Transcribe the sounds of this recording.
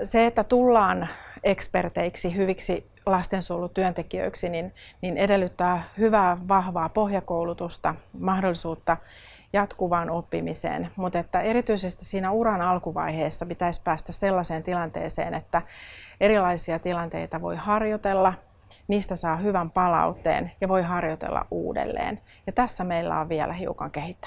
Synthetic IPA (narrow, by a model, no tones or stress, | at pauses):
seet̪ːæt̪ulːɑːnekspert̪eiksihyʋiksi | lɑst̪ensuːlut̪yœnt̪ekiø̰iksininninedelːyt̪ːæːhyʋæːʋɑhʋɑːpo̞hjɑkoulut̪ust̪ɑmɑhdolːisuːt̪ːɑ | jɑt̪kuʋɑːnopːimisḛːnmut̪et̪ːæe̞ɾit̪yisest̪issiːnæuɾɑnɑlkuʋɑ̰iheːsːɑpit̪æispæːst̪æsselːɑseːnt̪ilɑnt̪ḛːsḛːnet̪ːæeɾilɑisiɑt̪ilɑnt̪ḛit̪ɑʋo̞̰ihɑrjot̪elːɑ | niːst̪æsɑːhyʋæmpɑlɑ̰ut̪ːḛːnjɑʋo̞iɦɑrjot̪ḛlːɑ̰ʔʔṵːdḛlːḛːn | jɑt̪æsːæmeilːæ̰oʋʋiɛ̰lʔæhiukɑ̰ŋkehit̪ːæ̥